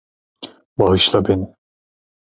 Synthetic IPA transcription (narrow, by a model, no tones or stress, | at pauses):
baɦɯʃlˠabeni